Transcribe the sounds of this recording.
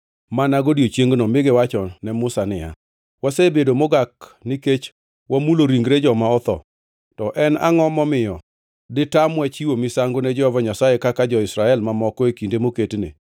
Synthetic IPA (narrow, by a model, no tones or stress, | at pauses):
manaɡodiot͡ʃjeŋɡnɔmɪɡɪwat͡ʃɔnɛmʊsanɪja̰ | wasebedomoɡakniket͡ʃ | wamuloɾiŋɡɾed͡ʒɔmaɔt̪ɔ̰ | tɔʔɛna̰ŋɔmɔmɪjɔ | dɪtamwɛt͡ʃiwomɪsaŋɡonɛd͡ʒɔɔvɔɲasaekakad͡ʒɔɪsɾaɛlmamɔkɔekindemoketnḛ